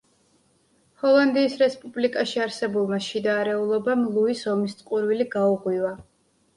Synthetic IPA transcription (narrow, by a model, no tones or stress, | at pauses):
hɔlˠand̪iːsɾɛspʼublikʼaʃiaɾsɛbulˠmaʃid̪aɾɛulˠɔbamlˠuisɔmist̪sʼqʼuɾviliɡauʁwiva